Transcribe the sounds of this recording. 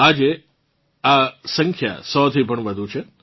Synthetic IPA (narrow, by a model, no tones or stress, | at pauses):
ad͡ʒe | asə̃ŋkʰja̰sɔt̪ʰipəɳʋəd̪ʱut͡ʃʰe